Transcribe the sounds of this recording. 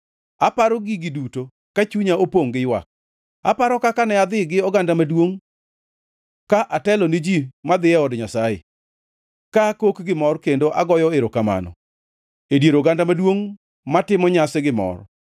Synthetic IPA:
apaɾɔɡiɡɪduto | kat͡ʃuɲaopoŋɡɪjwa̰k̚ | a̰paɾɔkakanɛad̪ɪɡɪɔɡandamadwoŋ | kaʔatɛlɔnɪd͡ʒimad̪ɪɛɔdɲasajḛ | kakokɡɪmɔrkendoʔaɡɔjɔɪɾɔkama̰nɔ̰ | edjeɾoɡandamadwoŋ | matɪmɔɲasɛɡɪmɔ̰r

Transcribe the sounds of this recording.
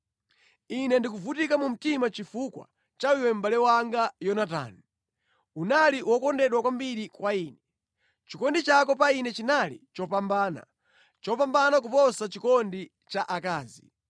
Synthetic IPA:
inɛndikuvutikamum̩timat͡ʃifukwa̰ | t͡ʃaiwɛm̩balɛwaŋɡajɔnata̰ːnu | unaliwɔkɔndɛɗwakwambiɾikwaiːnɛ | t͡ʃikɔndit͡ʃakɔpainɛt͡ʃinalḭt͡ʃɔpambaːna̰ | t͡ʃɔp̬ambanak̬upɔsat͡ʃikɔndi | t͡ʃaʔakaːzḭ

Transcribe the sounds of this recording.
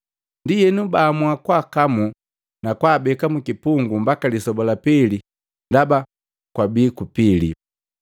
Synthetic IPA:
ndijɛnubaːmwakwaːkamu | nakwaːbɛkamukipuŋɡumbakalisɔbɔlapɛli | ndaba | kwabiːkupilḭ

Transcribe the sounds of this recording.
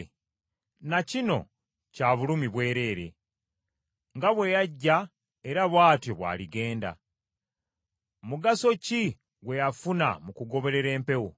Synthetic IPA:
nacino̞̰ | caːβulumiβwe̞ːɾe̞ːɾe̞̰ | ŋɡaβwe̞jaɟːa | e̞ɾaβwaːtjo̞βwa̰ːliɡe̞ːnda̰ | muɡaso̞ci | ɡwe̞jafuna̰mukuɡo̞βe̞ɾe̞ɾe̞ːmpe̞wo

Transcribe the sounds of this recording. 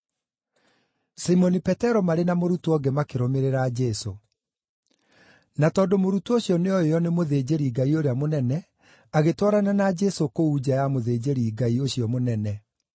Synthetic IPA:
simɔnipɛtɛɾɔmaɾenamoɾutuɔɡɛmakeɾomeɾeɾad͡ʑɛso̰ | natɔːndomoɾutuoɕjɔneɔejɔnemoðeːd͡ʑeɾiɡaioɾeamonɛnɛ | aɣetwɔɾananad͡ʒɛsokoud͡ʑajamoðeːd͡ʑeɾiɡaioɕiɔmonɛnɛ

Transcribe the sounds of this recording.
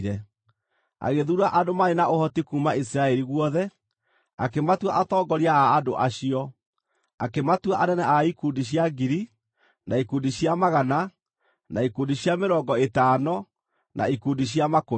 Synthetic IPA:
ɾɛ | a̰ɣeðuɾuaʔadomaɾenaohɔtikuːmais̬iɾaɛɾiɣwɔðɛ | akematwaʔatɔːɡɔɾiaːdo̰ʔaɕiɔ | akematwaʔanɛnɛaikundiɕ̬jaɡiɾi | naikundiɕjamaɣana | naikuːndiɕjameɾɔːŋɡɔetaːnɔ | nʔa̰ikuːndiɕjamako

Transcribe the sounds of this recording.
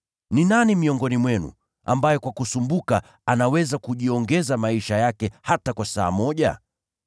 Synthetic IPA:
ninanimiɔŋɡɔnimwɛnṵ | ambajɛkwakusumbuka | anawɛzakuʄiɔŋɡɛzamaiʃajakɛhatakwasa̰ːmɔʄa̰

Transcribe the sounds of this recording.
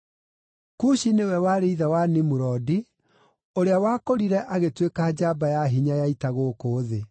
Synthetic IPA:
kuʃinewɛwaɾeiðawanimuɾɔdi | oɾeawakoɾiɾɛʔaɣetwekad͡ʑabajaɦiɲajaitaɣoːkoːðe

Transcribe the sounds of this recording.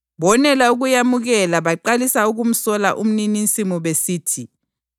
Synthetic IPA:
βɔnɛlauɣujamuɣɛlaβaǃalisauɣum̩sɔla̰ʔum̩ninint͡sʼimɔβesiːtʰi

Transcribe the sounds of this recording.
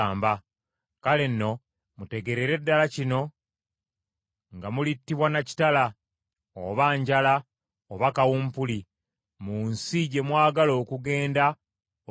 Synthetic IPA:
mba | kale̞nːo̞ | mute̞ɡe̞ɾeɾe̞dːalacino̞ | ŋɡamulitːiβwanaci̥tala | oβaːɲɟala | oβakawumpuli | muːnsiɟe̞mwaːɡalo̞ːkuɡe̞ːnda

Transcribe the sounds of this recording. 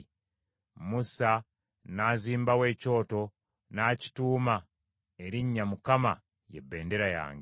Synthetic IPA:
musa | naːziːmbawe̞ːco̞ːto̞ | naːci̥tuːma | e̞ɾiɲːamukama̰ | jḛbːe̞ːnde̞ɾaja̰ːŋɡe

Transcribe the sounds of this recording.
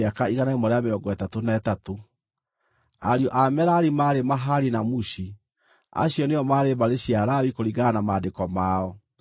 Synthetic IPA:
akaiɣanaimɔɾeameɾɔŋɡɔɛtatonaɛtato | a̰ɾiɔʔamɛɾaɾimaːɾemaɦaɾinamuɕi | a̰ɕjɔneɔmaɾemaɾeɕjaɾawikoɾiɡanamaːdekɔmaːɔ

